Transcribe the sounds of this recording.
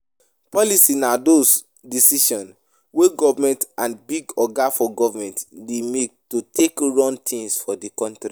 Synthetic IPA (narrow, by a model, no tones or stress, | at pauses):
pɔlisinados | disiʃɔ̃n | weɡɔvamɛ̃ntãnbiɡɔɡafɔɡɔvamɛ̃ntdemek̚tutʰekɹɔ̃ntʰĩŋsfɔdikɔ̃ntɾi